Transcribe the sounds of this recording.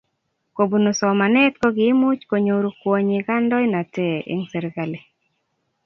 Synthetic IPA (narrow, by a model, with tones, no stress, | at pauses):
ko˨bu˨no˨sɔ˨ma˨nɛ˦tkɔ˦ɡɪ˨˦mʊ˦t͡ʃko˨ɲo˨ɾu˦kwo˨ɲɪ˨ɡa˦ndɔ˦ɪ˦na˨tɛ˨ʔḭ˦ŋsɛ˨ɾɡa˨le˨